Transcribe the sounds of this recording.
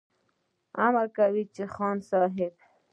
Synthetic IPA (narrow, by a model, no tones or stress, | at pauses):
amakawit͡ʃexɑnsɑɦɪb